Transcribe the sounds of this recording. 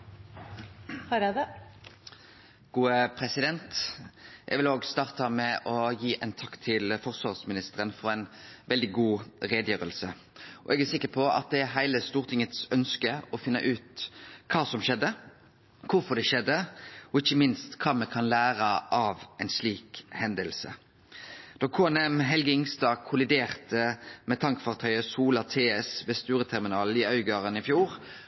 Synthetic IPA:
hɾɑd̪ | ɡ̥uːəpʰɾɛsɪd̪ɛnt̪ʔɛ̰ɡʋɪloːɡst̪ɑːʁt̪ɑmɛʔɔjiːʔɛnt̪ʰɑkt̪ʰɪlfɔʁsʋɑʁsmɪnɪst̪əɾənfɔɾɛɪnʋɛld̪ɪɡuːʁeːd̪jøːɾəlsə | ʔɔ̰ʔɛɡæsɪkːəpʰɔɑ̰t̪̚d̪ɛæɾɦæɪləst̪uːʁt̪ʰɪŋːət̪sœnskəɔfɪnːə̰ʔʉːt̪kʰɑːsɔmʃɛd̪ːə | kʰʊɾfɔʁd̪ɛʃɛd̪əɔɪçːəmɪnst̪kʰɑːmɛkʰɑnlæːɾəʔɑʋæɪnsliːkhɛnd̪əlsə̰ | d̪̥ɔkʰoːɛnɛmɦɛlɡəɪŋst̪ɑːkʰʊlɪd̪eːʁt̪əmɛt̪ʰɑŋkəfɑːʁt̪ʰœʏəsuːlɑt̪ʰeːɛsʋɛst̪ʉːɾət̪ʰæʁmɪnɑːlɪœʏɡɑːʁənɪfjuːɾ

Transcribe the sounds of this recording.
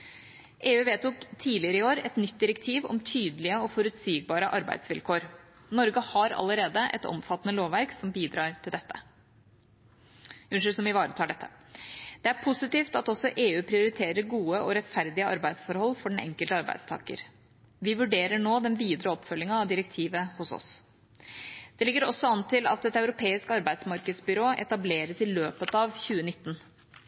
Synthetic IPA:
ʔeːʉːʋeːt̪ʊkt̪ʰiːlɪəɾəɪoːɾɛt̪nʏt̪̚ːd̪ɪɾɛkt̪ʰiːʋɔ̰mt̪ʰyːd̪əlɪəɔfɔɾʉt̪siːɡ̚bɑːɾəʔɑɾbæ̰ɪd̪sʋɪlkʰoːɾ | nɔɾɡəhɑɾɑ̰ləɾeːd̪əʔɛ̰t̪ɔ̰mfɑt̪ːənəloːʋʋæɾksɔmbiːd̪ɾɑːɾʈ̪ʰɪld̪ɛt̪ːə̰ | ʉnʂʉlsɔmʋɪʋɑːɾət̪ʰɑːɖɛt̪ʰːə̥d̪̥ɛæɾpʰʊsɪt̪iːft̪ɑt̪ɔsɔʔeːʉːpʰɾɪʊɾɪt̪ʰeːɾəɾɡuːəʔɔɾɛt̪fæɾd̪ɪəɑ̰ɾbæɪd̪sfɔɾhɔlːfɔɖɛnɛ̰ŋkəlt̪əɑɾbæ̰ɪd̪st̪ʰɑ̰ːkə̰ɾ | ʋɪʋʉɖeːɾəɳoːd̪ɛnʋiːd̪ɾəɔpːfœlːɪŋɑɑʋd̪ɪɾɛkt̪ʰiːʋəhʊsɔ̰s | d̪̥ɛlɪɡːəɾɔsːɔɑnt̪ʰɪlɑ̰t̪ɛt̪ɑʉɾʊpʰeːɪskɑɾbæɪd̪smɑɾkəd̪sbʏɾoːʔɛ̰t̪ɑbleːɾəsɪløːpət̪ɑʋçʉːənɪt̪ːn

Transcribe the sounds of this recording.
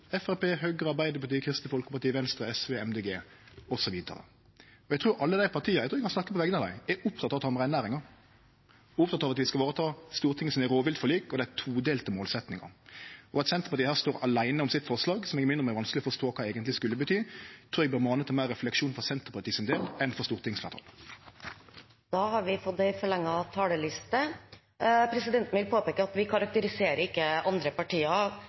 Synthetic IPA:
ɛfæɾpeːhøːɡɾəɑɾbæɪd̪əɾpɑt̪iːkʰɾɪst̪əfɔlkəpɑʈ̪iːʋɛnst̪ɾəɛsʋeːɛmd̪eːɡeː | ɔsɔʋiːd̪ə̰ɾə̰ | ɔɛɪt̪ʰɾuːɾɑlːəd̪æɪpʰɑɾt̪ʰiːəɾɛɡt̪ɾːɛɪkʰɑnsnɑkːəpɔʋɛɡəɑd̪æ̰ɪɛʊpt̪ʰɑt̪ːɑʋt̪ːɑʋɔmʁæɪnæːɾɪŋɑɾ | ʊpt̪ʰɑt̪ːɑʋɑt̪ʋɪskɑʋɑːɾət̪ʰɑːst̪uːɾt̪ʰɪŋːəsɔmæɾoːʋɪlt̪fɔlyːkɔd̪ɛæt̪ʰuːd̪eːlt̪ɪmoːlsɛt̪nɪŋɑ̰ɔɑt̪sɛnt̪əpɑt̪iːhæːst̪oːɾɑlæɪnəɔmsɪt̪fɔʁslɑːɡsɔmɛɡɪmɪnʁɔmɛæɾʋɑnsklɪɔfɔʁst̪oːkʰɑːeːɡənt̪lɪskʉlːəbət̪ʰyːt̪ʰɾʊɛɡbəmɑːnət̪ʰːɪlmæɪʁːɛflɛkʂuːnfɔsɛnt̪əʁpʰɑt̪iːsɪnd̪eːlɛnfɔʁst̪uːʁt̪ʰɪŋsflæːʁt̪ʰɑ̰ːl | d̪̥ɑːhɑɾʋɪfɔd̪ːɛɪfɔɭɛŋːɑt̪ʰɑːləlɪst̪ə | pʰɾɛsɪd̪ɛnt̪n̩ʋɪlpʰoːpeːkːəɑt̪ʋɪkʰɑɾɑk̚t̪əɾɪseːɾəɾɪkːəɑnd̪ɾəpɑʈiːɑ

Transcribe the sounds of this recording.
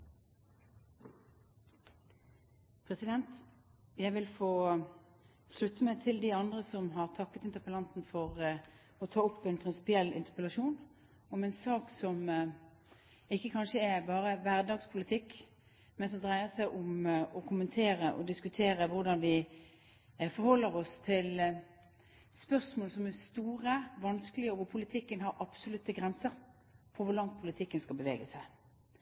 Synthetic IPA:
pʰʁɛsɪd̪ɛnt̪ | jæɪʋɪlfoː | slʉt̪ːəmɛt̪ʰɪld̪ɪɑnd̪ʁəsɔmɦɑʁt̪ʰɑkːət̪ɪnt̪əʁpəlɑnt̪n̩fɔʁ | ɔt̪ʰɑːʊpːɛnpʰʁɪnsɪ̥pɪɛlːʔɪ̰nt̪əʁpəlɑʃuːn | ɔmɛnsɑːksɔm | ɪkːəkʰɑnʃəɛbɑːʁəʋæʁd̪ɑːɡspʰʊlɪt̪ʰɪkː | mɛnsɔmd̪ʁæɪəsæɪʔʊmɔkʰʊmənt̪ʰeːɾəʔɔ̰d̪ɪskʉt̪ʰeːɾəʋʊʁd̪ɑnʋɪ | fɔɾhɔlːəʁɔst̪ʰɪl | spœʁsmoːlsɔmɛst̪uːʁəʋɑnskəlɪɔʋʊpʰʊlɪt̪ʰɪkːənɦɑɾʔɑb̥sʊlʉt̪ːəɡʁɛnsəɾ | fɔɾʋʊʁlɑŋt̪̚pʰʊlɪt̪ʰɪkːənskɑlbəʋḛːɡəsæɪ

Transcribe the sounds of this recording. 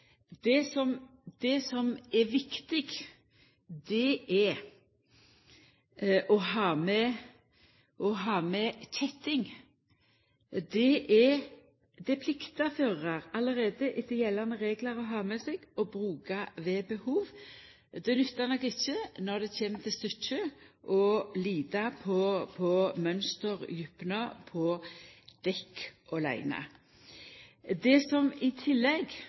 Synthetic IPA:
d̪̥ɛsɔmd̪̥ɛsɔmɛʋɪkt̪ɪɡ | d̪ɛʔɛ | ʔɔɦɑːmɛ | ʔɔɦɑːmɛtʰɛt̪ɪŋ | d̪ɛʔɛ | d̪ɛpʰlɪkt̪ɑføːʁɑɾɑləʁeːd̪əʔɪd̪əjɛlːɑnəʁeːɡləɾɔɦɑːmɛsɛɡ̥ɔbʁʉːkɑʋɛbəhuːʋ | d̪ɛnʏt̪ːɑnɔkɪt͡ʃːənɔʁd̪ɛt͡ɕʰeːmt̪ʰɪst̪ʏt͡ʃːəʔɔliːd̪ɑpʰɔpʰɔmœnst̪əʁjʉpnəpʰɔd̪̥ɛkːʔɔlæ̰ɪnɑ̰ | d̪ɛsɔmɪt̪ʰɪlːɛɡ

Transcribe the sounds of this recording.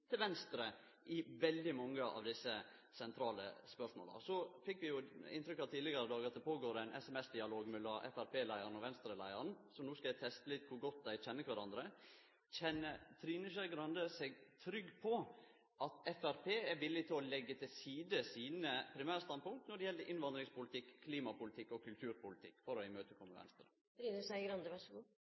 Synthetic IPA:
t̪ʰɪlʋɛnst̪ɾə | ʔɪʋɛld̪ɪmɑŋːəʔɑ̰ʋd̪ɪsːə | sɛnt̪ʰɾɑːlə̰spœʂmo̰ːlə̰sɔfɪkːʋɪjʊɪ̰nt̪ɾʏkːɑʋt̪ʰiːd̪lɪɡəɾəd̪ɑːɡɑt̪̚d̪ɛpʰoːɡoːɾɛɪnʔɛsɛmɛsd̪ɪɑloːɡmɛlːɑʔɛ̰fæɾpʰeːlæɪəɾnɔʋɛnst̪ɾəlæ̰ɪəɾənsɔmnuːskɑæɪt̪ʰɛst̪əlɪt̪̚kʰʊɾɡɔt̪̚ːd̪æɪc͡çɛnːəkʰʋæɾɑnd̪ɾə | c͡çɛnːət̪ʰɾiːnəʃæɡɾɑnd̪əsɛɡt̪ʰɾʏɡpʰɔ | ʔɑt̪ɛfæɾpʰeːæʋɪlːɪt̪ʰɪlɔlɛɡːət̪ʰɪlsiːd̪əsiːnəpʰɾɪmæːɾəst̪ɑnpʊŋt̪nɔɖɛjɛlːəɾʔɪnʋɑnd̪ɾɪŋspʊlɪt̪ɪkʰːliːmɑpʊlɪt̪ʰɪkːɔkʰʉlt̪ʰʉːɾpʊlɪt̪ʰɪkːfɔɾɔæɪmøːt̪əkʰɔnməʋɛ̰nst̪ɾə | bɾiːnəsæɪɡɾɑnd̪əʋæʂɡuː

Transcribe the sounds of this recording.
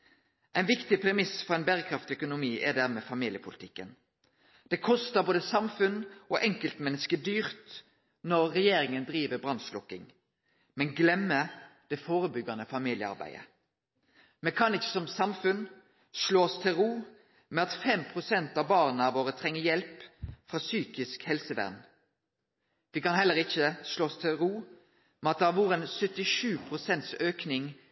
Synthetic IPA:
ʔɛɪnʋɪkt̪ɪpʰɾɛmɪsfɔʁɛɪnbæːʁəkʰɾɑft̪œkʊnʊmiːʔɛd̪æʁmɛfɑmiːljəpʰʊlɪt̪ʰɪkːən | d̪̥ɛkʰɔst̪əboːd̪əsɑmfʉnɔʔɛŋkəlt̪mɛnːəskəd̪yːʁt̪ | nɔʁːɛjeːɾɪŋənd̪ɾiːʋəbʁɑnslʊkːɪŋ | mɛnɡlɛmːəd̪̥ɛfoːʁəbʏɡɑnəfɑmiːljəɑ̰ɾbæ̰ɪə̰ | mɛkʰɑnɪçːə̥sɔmsɑmfʉn | ʃloːst̪ʰɪlʁuː | mɛɑt̪fɛmpʰʁʊsɛnt̪ɑbɑːʁnəɑʋoːʁət̪ʰʁɛŋːəjɛlpfʁɑːsyːkɪskhɛlsəʋæ̰ʁn | ʋɪkɑnhɛlːəʁɪçəʃloːst̪ʰɪlʁuː | mɛnɑt̪̚d̪ɛæʋʊʁɛnsœt̪ɪʂʉːpʰʁʊsɛnt̪søːknɪŋ

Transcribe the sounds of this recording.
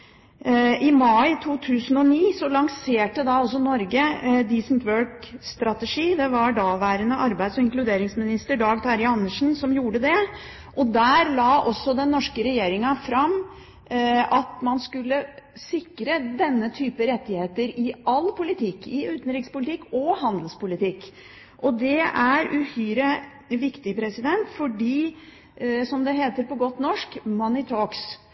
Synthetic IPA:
ʔɪmɑɪt̪ʰuːt̪ʰʉːsənɔniːsɔlɑŋseːʈəd̪ɑɔs̬ɔnɔɾɡəd̪iːsənt̪ʰʋøːɹk | st̪ɾɑt̪ɛʂiːd̪ɛʋɑɖɑʋæːɾənəʔɑɾbæɪd̪sɔɪŋklʉd̪eːɾɪŋsmɪnɪst̪əɖɑːɡt̪ʰɑɾɪɑnːəʂn̩sɔmjuːɖəd̪ɛ | ʔɔd̪æːɾlɑːʔɔsːɔd̪ɛnːɔʂkəɾɛjeːɾɪŋɑfɾɑm | ʔɑt̪mɑnskʉlːəsɪkːɾəd̪ɛnːət̪ʰyːpəɾɛt̪ːɪheːt̪əɾɪʔɑlːpʰʊlɪt̪ʰɪkːɪʉːt̪n̩ɾɪkspʊlɪt̪ɪkːɔhɑnd̪lspʊlɪt̪ɪkː | ʔɔd̪ɛæɾʉhyːɾə | ʋɪkt̪ɪpʰɾɛsɪd̪ɛnt̪fɔɖiː | sɔmd̪ɛɦeːt̪əɾpɔɡɔt̪ːnɔʂkmɑnɪt̪ʰoːks

